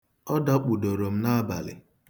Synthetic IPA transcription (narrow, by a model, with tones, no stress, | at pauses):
ɔ˦da˦k͡pu˨do˨ɾo˨m̩˦na˦ba̰˨lɪ̰˨